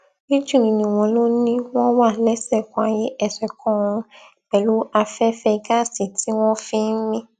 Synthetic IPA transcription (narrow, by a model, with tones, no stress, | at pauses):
ni˦d͡ʒũ˦˨ĩ˨nĩ˨w̃ɔ̃˧lo˦nĩ˦w̃ɔ̃˦wa˦˨lɛ˦sɛ˦˨kɔ̃˨˧a˨je˨˦ɛ˧˨sɛ˨kʰɔ̃˨˦ũ˧ | k͡pɛ˨lu˨˦a˧fɛ˦fɛ˧ɡa˦˨si˨tʰi˨˦w̃ɔ̃˦fĩ˦mĩ˦